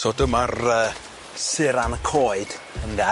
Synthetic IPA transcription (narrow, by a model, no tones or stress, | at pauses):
soːdəmarəː | sɪɾanəkʰoːɨd̥ | ənðɛ